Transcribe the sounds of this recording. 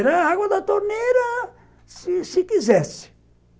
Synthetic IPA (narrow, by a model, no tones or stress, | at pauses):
ɾaaɣod̪at̪oneɾa | sisikizɛsi̥